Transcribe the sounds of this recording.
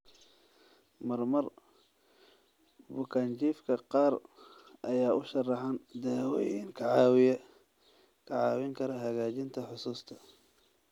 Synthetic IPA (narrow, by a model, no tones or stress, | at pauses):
mɐrmɐr | bʊkʰaːnt͡ʃiːfkʰɐqɑːrʔɐjaːʔʊʃɐrɑħand̪ɛːwɔjɪŋkʰɐʕɑw | kʰɐʕɑːwɪŋkʰɐɾɐɦɐɣaːt͡ʃɪnt̪ʰɐħʊsuːst̪ʰɐ̥